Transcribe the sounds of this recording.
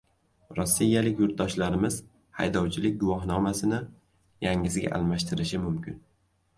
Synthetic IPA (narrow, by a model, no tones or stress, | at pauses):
ɾɒsːijːalɪkʲjʊɾt̪̚d̪ɒʃlaɾɪmɪz̥ | ha̰jd̪ɒwt͡ʃʰɪlɪk̚ʲɡʊvɒɦnɒmasɪnɪ | jaŋɪzɡʲa̰ʔa̰lˠmaʃt̪ʰɪɾɪʃɪmʊmkʲɪn